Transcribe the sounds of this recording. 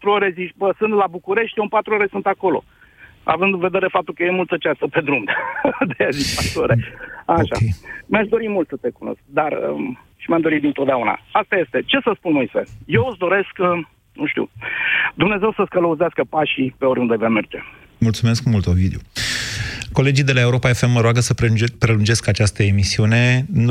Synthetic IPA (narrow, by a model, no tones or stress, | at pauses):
at̪ɾuoɾe̞ziʃbəsɨnt̪labukuɾe̞ʃt̪ʲjeunmpat̪ɾuoɾe̞sunt̪ako̞lo̞̰ | a̰vɨnd̪ɨnve̞d̪e̞ɾe̞fap̚t̪ulkəje̞mult̪ət͡ʃast̪əpe̞d̪ɾumd̪d̪eazit͡ʃpat̪ɾuoɾeaʃa̰mʲaʃd̪o̞ɾimult̪sət̪e̞kuno̞̰sk̚d̪arə̰ʃimjamd̪o̞ɾit̪d̪int̪od̪eauna̰ast̪ajest̪e̞t͡ʃe̞səspunmojsḛje̞wɨsd̪o̞ɾe̞sk | nuʃt̪ḭd̪umne̞ze̞wsəskələuzeaskəpaʃipeo̞ɾʲund̪evame̞rd͡ʒe̞ | mult̪sume̞skmult̪ovid̪eo | ko̞le̞d͡ʒijd̪elaeuɾo̞pae̞fe̞mːəɾoaɡəsəpɾepɾe̞lund͡ʒe̞skat͡ʃast̪əe̞misiune̞n